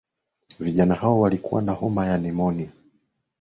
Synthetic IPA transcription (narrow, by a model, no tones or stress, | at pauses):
viʄanahaɔwalikuwa̰nahɔmajanɛmɔni